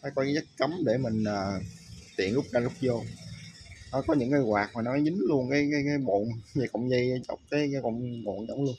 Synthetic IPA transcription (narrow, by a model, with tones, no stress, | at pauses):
faː˨˦kɔ˨˦a˨˦zə˦˥t̚kə˨˦mɗe˧˩mï˨˩ŋ̟ʔəː˨˩t̪ḭ˧˨ənlʊ˦˥k͡p̚kaː˧lʊ˦˥k͡p̚zo˧ | ɔ˨˦kɔ˨˦ɲɨ̰˧˥ŋkəː˧jɣwaː˨˩k̚maː˨˩nɔ˨˦zɨ˨˦ŋ̟lu˧ənkaː˨˦jkaː˨˦jkaː˨˦jɓo̰˧˨nva˨˩kʊ̰˧˨wŋ͡mzə˧jt͡ɕə̰˨˦wŋ͡m̚kaː˨˦jka˨˦kɔ̰˧˨wŋ͡mŋo̰˧˨nzə˧˦wŋ͡mlu˧ən